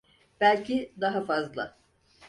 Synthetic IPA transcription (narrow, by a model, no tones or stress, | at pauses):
b̥ælʲcʰid̪aɦafazlˠa̰